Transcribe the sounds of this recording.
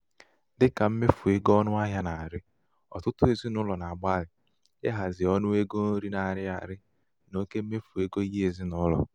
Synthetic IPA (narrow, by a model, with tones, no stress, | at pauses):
dɪ˦ka˨m̩˦me˦fu˨e˦ɡɔ˦nʊ˦a˦ɦja˦na˨a˨ɾɪ˦ | ɔ̰˨tʊ˦tʊ˦e˨zi˦nʊ˦lɔ˨na˨ɡ͡ba˦lɪ˨ | ḛ˦ɦa˨zɪ˨ɔ˦nʊ˦e˦ɡo˦no˦ɾi˦na˨ɾɪ˦a˨ɾɪ˦ | no˦ke˦m̩˦me˦fu˨e˦ɡo˦i˦ɦi˦e˨zi˦nʊ˦lɔ̰˨